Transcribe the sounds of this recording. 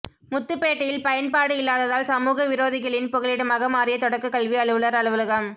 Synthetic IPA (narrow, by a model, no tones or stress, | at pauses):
mʊt̪ːɯpːeːʈːɐjɪlpɐjɐnpaːɽɯɪlːaːðɐðaːlsɐmuːɣɐʋɪɾoːðɪɣɐɭɪnpɔɣɪlɪɽɐmɐɣɐmaːrɪjɐt̪ɔɽɐkːɯkɐɭʋiɐɭɯʋɯɭɐɾɐɭɯʋɯlɐɣɐm